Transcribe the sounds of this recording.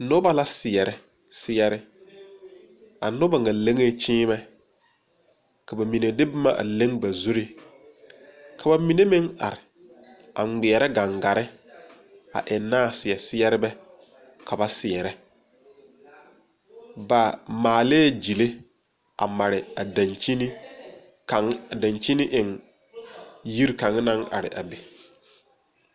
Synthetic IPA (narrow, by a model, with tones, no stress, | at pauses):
nʊ˦ba˦la˦sɪ˨ɛ˨ɾɛ˦ | sɪ˦ɛ˦ɾɪ˦ | a̰˨nʊ˦ba˨ŋa˨le˦ŋe˦t͡ʃɪ̃ː˦mɛ˦ | ka˨ba˨mi˨ne˨dɪ˦bɪ˦ma˦ʔa̰˨le˦ŋba˨zu˦ɾi˦ | kʰa˨ba˨mi˨ne˦mɪ˦ŋa̰˨ɾɪ˨ | a̰˨ŋ͡mɪ˨ɛ˨ɾɛ˦ɡa˨ŋɡa˨ɾɪ˦ | a̰˨ʔɪ˨nːaː˦˨sɪ˨ɛ˨sɪ˦ɛ˦ɾɪ˦bɛ˦ | kʰa˨ba˦sɪ˨ɛ˨ɾɛ˦ | ba˨maː˨le˦d͡ʒi˨le˦ | a̰˨ma˨ɾɪ˨a˨da˨nt͡ʃi˦ni˦ | ka˨ŋ˦˨da˨nt͡ʃi˦nɪ˦ʔɪ˨ŋ | ji˦ɾka˨ŋ˦na˦ŋʔa̰˨ɾɪ̰˨ʔa̰˨be˨